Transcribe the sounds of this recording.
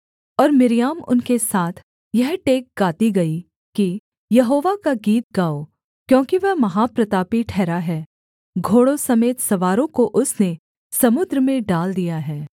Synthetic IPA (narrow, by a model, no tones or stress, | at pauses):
ɔːɾmɪɾijaːmʊ̰nkesaːt̪ʰ | jɛɦʈeːk̚ɡaːt̪iɡɐi | ki | jɐɦoːʋakaɡiːt̪̚ɡaːo | kjõːkiʋɛɦmɐɦaːpɾɐt̪aːpiʈʰɛːɾaɦɛː | ɡʱoːɽosɐmeːt̪sɐʋaːɾõkoʔʊsne | sɐmʊd̪ɾəmẽɖaːld̪ijaɦɛː